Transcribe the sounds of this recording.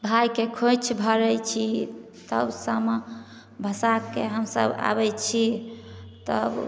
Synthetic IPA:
bʱajkekʰot͡ʃʰbʱəɾɛt͡ʃʰi | t̪ə̰bsəm | bʱəsakːeɦəmsə̰ba̰bɛt͡ʃʰi | t̪ə̰b

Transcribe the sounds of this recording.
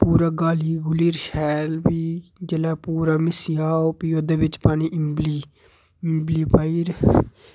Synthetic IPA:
puːɾaːɡaːliːɡʊliːɾʃɛːlbiːd͡ʒəlaːpuːɾaːmɪsjaːopɪjoːd̪əʋɪt͡ʃpaːniːʔɪmbli | mbliːpaːiɾ

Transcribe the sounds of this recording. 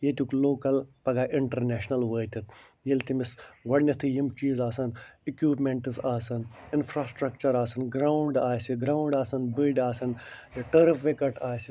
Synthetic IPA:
jet̪ʲukloːkɐlpɐɡaːʔiɳʈɐɾneːʃnɐlʋəːt̪ʲit̪̚jelt̪imisɡɐɽnʲɐt̪ʰɨjimt͡ʃiːzaːsɐnikjuːpmeɳʈɨzaːsɐninfʰɾaːsʈɾɐkt͡ʃɐɾaːsɐnɡɾaːuɳɖaːsʲiɡɾaːuɳɖaːsɐnbiɖaːsɐnʈɐɾɨfʋekɐʈaːsʲi

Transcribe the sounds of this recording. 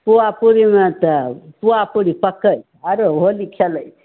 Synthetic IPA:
puapuɾimẽt̪əpuapuɾipəkəj | aɾoɦolikʰeləj

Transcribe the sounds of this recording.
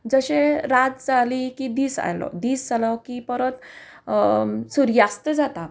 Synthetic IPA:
d͡zəɕeɾad͡z̪d͡zalikid̪iːsa̰jlɔ̰d̪iːsd͡zalɔkipəɾət̪ | suɾjast̪əd͡zat̪a

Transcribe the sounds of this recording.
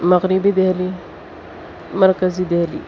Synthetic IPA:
mɐɣɾibid̪eɦli | mɐɾkəzid̪eɦlḭ

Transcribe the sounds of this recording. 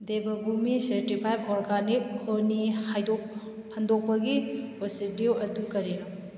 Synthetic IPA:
debɐbumiseɾtipʰajbɔɾɡanik̚honiajdo | handok̚pɐɡiosidiwɐdukɐɾiɾa

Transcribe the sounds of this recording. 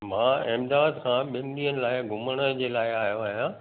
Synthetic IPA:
mãːɛmd̪aːd̪kʰãːɓɪ̃nɗ̪iːənɪ̆laːɪɡʱʊməɽ̃əd͡ʑeːlaːɪaːɦijoaːɦijãː

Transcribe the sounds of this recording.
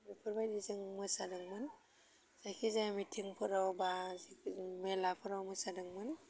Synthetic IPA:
ɾipʰɯɾbajdizɯŋmɯsadɯŋmɯn | z̥ajkʰizajmitʰiŋpʰɯɾawbazimelapʰɯɾawmɯsadɯŋmɯn

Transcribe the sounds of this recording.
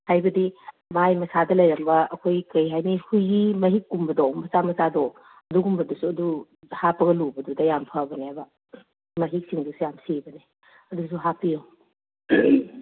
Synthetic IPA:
hajbɐdi | majmɐsadɐlɐjɾɐmbɐːkʰojkɐjɦajnihujɡimɐɦikːumbɐdɔmbɐsamɐsado | ɐduɡumbɐdusuɐdu | hapɐɡɐlubɐdudɐjampʰɐbɐneabɐ | mɐɦik̚siŋdusujamsibɐne | ɐdus̬uɦapijɐw

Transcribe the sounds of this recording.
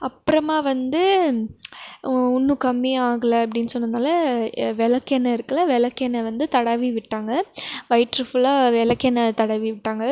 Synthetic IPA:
ɐpːɯɾɐmaːʋɐnd̪ɯ | ʊnːɯkɐmːiaːŋɡɐlɐɐp̬ːɐɽɪnːɯsɔnːɯnaːlɐʋɛlɐkːɛnːɐɪɾɯkːɐlɐʋɛlɐkːɛnːɐʋɐnd̪ɯt̪ɐɽɐʋiʋɪʈːaːŋɡɐʋɐɪʈɾɯfʊlaːʋɛlɐkːɛnːɐt̪ɐɽɐʋiʋɪʈːaːŋɡɐ

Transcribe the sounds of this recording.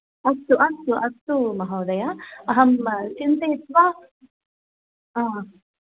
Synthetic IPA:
ɐst̪ːuʔɐst̪uʔɐst̪ːumɐɦɐwd̪ɐjaɐɦɐmt͡ʃint̪eit̪ʋa | aː

